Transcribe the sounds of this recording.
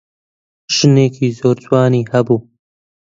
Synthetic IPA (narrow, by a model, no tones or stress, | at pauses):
ʃɨneːkʰiːzoːɾd͡ʒwɑːniːhɐbuː